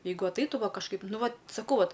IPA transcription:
ˈjɛɪɡʊ ɐtˈɐɪtʊ ˈʋɐ kɐʃˈkɐɪp ˈnʊ ˈʋɐt sɐˈkɐʊ ˈʋɐt

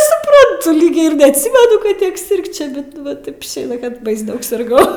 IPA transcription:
sʊˈprɐntʊ ˈlʲiːk ɪr nʲɛɐtʲˈsʲiːmʲɛnʊ kɐt ˈtʲiɛk ˈsʲɪrkt͡ʃʲɛ ˈbʲɛt ˈʋɐ ˈtɐɪp ɪʃʲˈeːjɛ kɐt bɐɪs ˈdɐʊk sʲɪrˈɡɐʊ

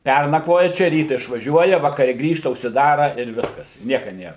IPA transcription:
ˈpʲɛrnɐkʋoːjɛ ˈt͡ʃʲɛ ˈrʲiːtɐ ɪʃʋɐˈʒʲuɔjɛ ʋɐkɐˈrʲɛ ˈɡrʲiːʃtɐ ʊʃʲsʲɪˈdɑːrɐ ɪr ˈʋʲɪskɐs ɪ ˈnʲiɛkɐ ˈnʲeːr

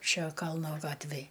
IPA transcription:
ˈʃʲɛ ˈkɐlˠnoː ˈɡɑːtʲʋʲeːj

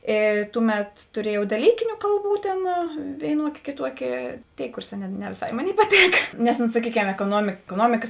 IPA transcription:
ˈeː ˈtuːˌmʲɛt tʊˈrʲiɛjɛʊ dɐˈlʲiːkʲɪnʲʊ ˈkɐlˠˌbuː tʲeːn ʋʲeːɪˈnuɔkʲeː kʲeːˈtuɔkʲeː ˈtʲeːɪ ˈkuːrˌsɑː nʲɛ nʲɛ ʋʲeːˈsɐɪ ˈmoːˌnʲeːɪ pɐˈtʲeːkɐ nʲɛs noː sɐˈkʲiːˌkʲɛm ɛkoːˈnuɔmʲɪk ɛkoːˈnuɔmʲɪkɐs

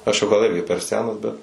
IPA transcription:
ˈɐʃ jɛʊ ɡɐlˠ ˈɪrʲɡʲɪ pʲɛr ˈsʲæːnɐs bʲɛt

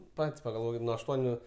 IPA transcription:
ˈpɐtʲsʲ pɐɡɐlˠˈʋoːkʲɪt nʊ ɐʃˈtuɔnʲʊ

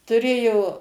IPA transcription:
tʊˈrʲeːjoː

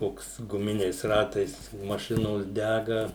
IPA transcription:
ˈkoːks ɡʊˈmʲɪnʲɛɪs ˈrɑːtɐɪs mɐˈʃʲɪnoːs ˈdʲæɡɐ

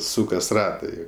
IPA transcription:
ˈsuːkɐs ˈrɑːtɐɪ

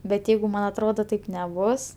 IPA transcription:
bʲɛt ˈjɛɪɡʊ ˈmɐn ɐtˈroːdoː ˈtɐɪp nʲɛˈbʊs

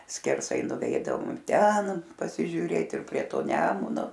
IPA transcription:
sʲkʲɛrˈsɐɪ nʊˈʋʲɛɪdɐʋoːm ˈtʲɛn pɐsʲɪʒʲʊˈrʲeːt ɪr pʲrʲiɛ ˈtoː ˈnʲæːmʊnoː

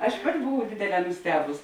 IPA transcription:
ˈɐʃ ˈpɑːtʲɪ bʊˈʋɐʊ ˈdʲeːdʲeːˌlʲɛː nʊˈsʲtʲæːbʊs

